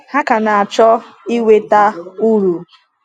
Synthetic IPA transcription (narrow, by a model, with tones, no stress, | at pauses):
ha˦ka˨na˨a˨t͡ʃɔ˦ | i˦we˦ta˦u˦ɾu˨